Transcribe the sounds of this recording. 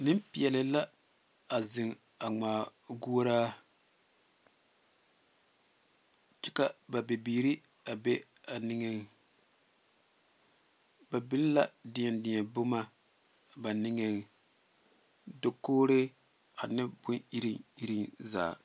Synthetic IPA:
nɪ˦mpɪ˨ɛ˨lɪ˨la˦ | a˨zɪ˨ŋ | a˨ŋ͡maː˨ɡu˦o˦ɾaː˦ | t͡ʃɪ˦ka˦ba˨bɪ˨biː˨ɾi˦ | a˨be˦a˨nɪ˨ŋɛ˨ŋ | ba˨bɪ˦lla˦dɪ˨ɲɛ˨ndɪ˨ɛ˨bo˦ma˦ | ba˨nɪ˦ŋɛ˨ŋ | do˨koː˦ɾɪ˦ | a˨nɪ˦bʊ˦ni˦ɾi˦i˦ɾi˦nza̰ː˨

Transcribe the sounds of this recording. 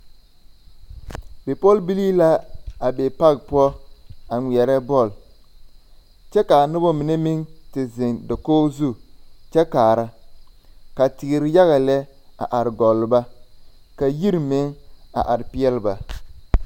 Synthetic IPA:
be˨pɔ˦lbi˦liː˦la˦a˨be˨pa˦ɡ̚pu˦ɔ˦a˨ŋʷi˨ɛ˨ɾɛ˦bɔ˦˨l | t͡ʃɛ˦ka˨nʊ˦bɔ˦mɪ˨ne˦mi˦ŋtɪ˨zɪ˨ndɔ˨koː˦zu˦t͡ʃɛ˦kaː˨ɾa˦ | ka˨tɪ˨ɡɪ˨ɾɪ˦ja˦ɣa˨lɛ˦a̰˨ʔa˨ɾɪ˨ɡɔ˨lɪ˨ba˦ | ka˨ji˦ɾmɪ˦ŋa̰˨ʔa˨ɾpi˦ɛ˦lba˨

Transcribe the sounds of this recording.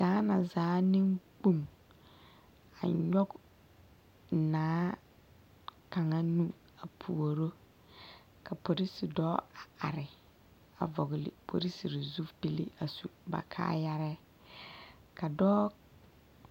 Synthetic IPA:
saː˨˦na˨zaː˨˦nɪ˦ŋk͡pu˦˨m | a̰˨ɲɔ˦ɡ | naː˨˦ | ka˨ŋa˦nu˦ | a˨pʰu˨o˨ɾo˦ | ka˨po˨ɾi˦si˨dɔː˦a˨a˨ɾɪ˨ | a̰˨vɔ˨ɣlɪ̰˨pʰo̰˨ɾi˦si˨ɾɪ˨zu˦fbi˦lḭ˦ʔa˨su˨ba̰˨kʰa̰ː˦ja˦ɾɛ˦ | ka˨dɔː˦

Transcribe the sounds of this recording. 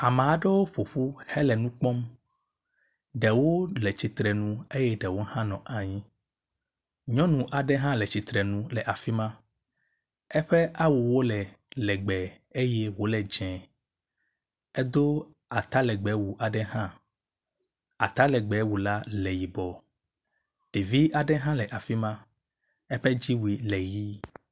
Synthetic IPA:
a˨mẽ˨a˨ɖe˦wo˦ɸo˨ɸu˦hɛ˦lɛ˨nũ˦k͡pɔ˦m | ɖɛ˨wo˦lɛ˨t͡ɕi˨t̪ɾɛ˨nũ˦e˦jɛ˦ɖɛ˨wo˦hã˦nɔ̃˨ʔa˨ɲĩ˦ | ɲɔ̃˦nũ˨ʔa˨ɖɛ˦ɦã˦lɛ˨t͡ɕi˨t̪ɾɛ˨nũ˦lɛ˨ʔa˨fi˦mã˦ | ɛ˦ɸɛ˦ʔa˦wu˨wo˦lɛ˨ | lɛ˨ɡ͡bɛ˨ | e˦je˦wo˦lɛ˨d͡ʒɛ̃˨ | ɛ˦d̪o˦ | a˨t̪a˦lɛ˨ɡ͡bɛ˨˦wu˨ʔa˨ɖɛ˦ɦã˦ | a̰˨t̪a˦lɛ˨ɡ͡bɛ˨˦wu˨la˦lɛ˨ji˨bɔ˨ | ɖ̥e˨vi˦ʔa˨ɖɛ˦ɦã˦lɛ˨ʔa˨fi˦mã˦ | ɛ˦ɸɛ˦d͡ʑi˦wu˨i˨lɛ˨ji˦

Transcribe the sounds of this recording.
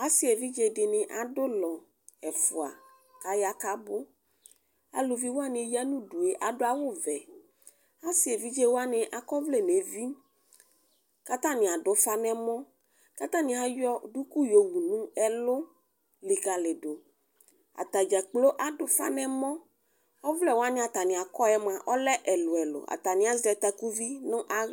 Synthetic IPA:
a˦si˦e˨vi˦d͡ʒe˨ɖɪ˨nẽ˨ʔa˨do˦lɔ˨ | ɛ˨fu˨a̰˨ | ka˦ja˦ka˦bo˦ | a̰˨lu˨vi˦wo˦a˦nẽ˨˦ja˦nũ˦ɖu˨e˨ʔa˨ɖo˦a˦wo˦vɛ˨ | a˦si˨e˨vi˦d͡ʒe˦wo˦a˦nẽ˨ʔa˨kɔ˦vle˦ne˨vi˦ | ka˦t̪ã˦nĩ˨a˨ɖo˨fa˦nɛ̃˦mɔ̃˦ | ka˦t̪ã˦nĩ˨˦a˦jɔ˦ɖu˦ku˦jo˨wu˨nũ˦ɛ˦lo˦ | li˨ka˨le˨ɖo˨ | a̰˨t̪a˨d͡ʒa˨k͡plo˦ʔa˨ɖʊ˨fa̰˦nɛ̃˦mɔ̃˦ | vlɛ˦˨wo˦a˦nẽ˦a˨t̪a˨nĩ˨a˨kɔ˦ɛ˦mã˨ʔɔ˦lɛ˦ʔɛ˨lo˨ɛ˨lo̰˨a̰˨t̪a˨nĩ˨˦a˦zɾɛ˨t̪a˨ku˦vi˦nõ˦ʔa˦

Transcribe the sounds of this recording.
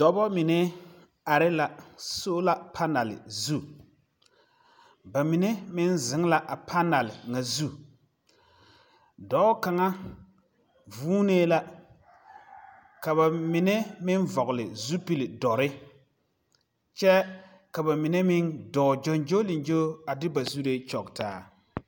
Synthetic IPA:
d̥ɔ˨bɔ˦mɪ˨nɛ˦ | a˨ɾɪ˦la˨soː˦la˨pʰa˦na˨lɪ̰˨zu˦˨ | ba˨mi˨ne˦mɪ˦nzɪ˨˦ŋ˦la˨ʔa˨pʰa˦na˨lɪ˨ŋa˨zu˦ | dɔ˨˦ka˨ŋa˦ | vuː˦ne˦la˦ | ka˨βa˨mɪ˨ne˦mɪ˦nvɔ˨ɣʊ˨lɪ˨zu˦pi˨lɪ˨dɔ˨ɾɪ˦ | t͡ʃɛ˦ | ka˨ba˨mi˨ne˦mɪ˦ndɔː˨d͡ʒɔ˦nd͡ʒo˦lɪ˨nd͡ʒo˦a˨dɪ˦ba˨zu˦ɾe˦t͡ʃɔ˨ktaː˨˦

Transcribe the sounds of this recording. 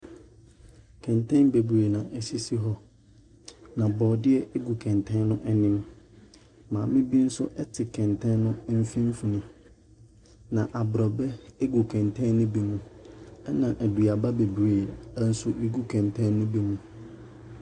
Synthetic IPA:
kʰɛ̃˨ntʰɛ̃˦nbe˨bɾe˨nã˨ʔɛ˨si˦si˦ɦɔ˦ | nã˨bɔː˨dɪ˦ɛ˦ʔe˦ɡu˨kʰɛ̃˨ntʰɛ̃˦n˦nʊ̃˦ʔɛ˦nɪ̃˦m | mãː˨mɪ̃˦bi˦n̩˦sʊ˦ʔɛ˦tʰɪ˨kʰɛ̃˨ntʰɛ̃˦nnʊ̃˦m̩˦fĩ˦m˦fu˨nʊ̃˦ | nã˨ʔa˨bɾɔ˨bɛ˦e˦ɡu˨kʰɛ̃˨ntʰɛ̃˦nʊ̃˦bi˦mũ˦ɛ˦nã˨ʔæ˨du˨a˨ba˦be˨bɾeː˨˦n̩˦sʊ˦i˦ɡu˦kʰɛ̃˨ntʰɛ̃˦nʊ̃˦bi˦mũ˨

